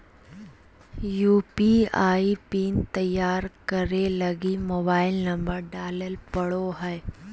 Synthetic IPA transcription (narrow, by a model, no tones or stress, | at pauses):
juːpiaːipiːnt̪ɐjaːɾkəɾelɐɡimoːbaːɪlnɐ̃mbəɾɖaːləlpɐɽoɦɛː